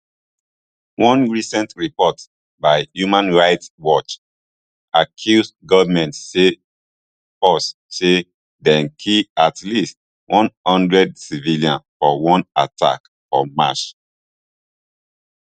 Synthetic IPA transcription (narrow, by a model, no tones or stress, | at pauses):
wɔ̃nɹisɛ̃ntɹipɔt | baɪjumãnɹaɪtswɔt͡ʃ | akʰjusdɡɔvmɛ̃ntse | ɔs | se | dɛ̃nkʰiatlist | wʔɔ̃nhɔ̃ndɹɛd̚siviliãnfɔwɔ̃natʰa̰k | ɔ̰ma̰ʃ